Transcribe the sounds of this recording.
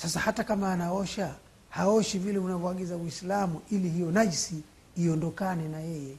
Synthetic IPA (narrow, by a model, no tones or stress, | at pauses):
sasahatakamaːnaɔʃa | haɔʃivilɛunavɔaɠizawislamuʔilihijɔnaʄsiː | ɔndɔkanɛnajɛjɛ